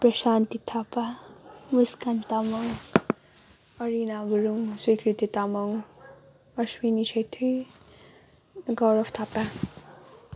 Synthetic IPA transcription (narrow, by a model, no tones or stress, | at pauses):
pɾʌʃant̪it̪ʰapamuskant̪amʌŋ | ʌɾinaɡuɾuŋswikɾit̪it̪amʌŋ | ʌswinisʌjt̪ʰi | ɡʌwɾʌft̪ʰapa